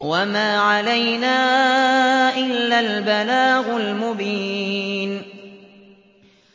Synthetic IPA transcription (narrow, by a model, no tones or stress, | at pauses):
wamaːʕalajnaː | ʔɪlːalbalaːɣʊlmʊbiːn